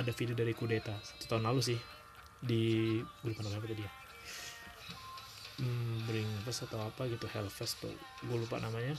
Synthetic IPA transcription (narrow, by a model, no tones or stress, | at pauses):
adafidiodaɾikudet̪at̪u̥t̪aʊnlalus̬ɪh | diɡulupaʔnamaɲapat̪udia | m̩bəɾɪŋfəsat̪awapaɡit̪uhɛlfɛst̪ʊ̰ | ɡulupa̰ʔnamaɲa